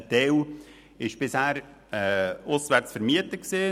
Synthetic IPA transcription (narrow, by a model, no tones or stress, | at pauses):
t̪ɛw | ɪʃb̥ɪshæːɾ | ɛʊsʋæɾt͡sfəɾmiətəksiː